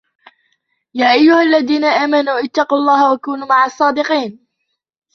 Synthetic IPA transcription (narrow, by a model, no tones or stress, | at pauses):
jaːʔajːʊhalːaðiːnaʔaːmanuːʔɪt̪ːɑquːlˤːɑːhawakuːnuːmaʕɑsˤːɑːd̪ɪqiːn